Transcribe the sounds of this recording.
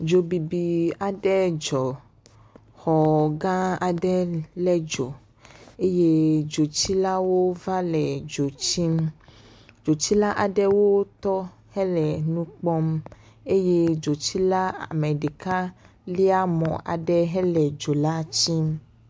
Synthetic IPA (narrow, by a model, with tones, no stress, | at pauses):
d͡ʒo˨bi˨bi˨a˨ɖɛ˦d͡ʒɔ˨ | xɔ˨ɡã˦a˨ɖɛ˦lɛ˦d͡ʒo˨ | e˦je˦d͡ʒo˨t͡ɕi˦la˦wo˦va˦lɛ˨d͡ʒo˨t͡ɕi˦m | d͡ʒo˨t͡ɕi˦la˦ʔa˨ɖɛ˦wo˦t̪ɔ˦ | hɛ˦lɛ˨nũ˦k͡pɔ˦m | e˦je˦d͡ʒo˨t͡ɕi˦la˦a̰˨mɛ˨ɖe˨ka˦ | li˦a˦mɔ̰̃˨ʔa̰˨ɖɛ˦ɦɛ˦lɛ˨d͡ʒo˨la˦t͡ɕi˦m